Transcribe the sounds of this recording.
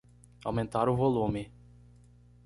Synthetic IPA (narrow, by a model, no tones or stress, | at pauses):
a̰wmẽnt̪aɾʊvolũmɪ